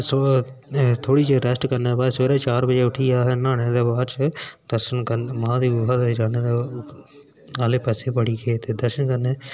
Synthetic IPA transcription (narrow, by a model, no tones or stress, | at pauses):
so | t̪ʰoːɽiːt͡ʃɾɛsʈkəɾneːbaːsʋeːɾaːt͡ʃaːɾbəd͡ʒeːʊʈʰiːaːɦeːnãːɽ̃ẽːd̪eːbaːɾt͡ʃəd̪̥əɾʃənkənmãːd̪iːbʊɦaːd̪ed͡ʒaːneːd̪e | aːleːpɛːseːpəɽiːkʰeːt̪eːd̪əɾʃənkəneː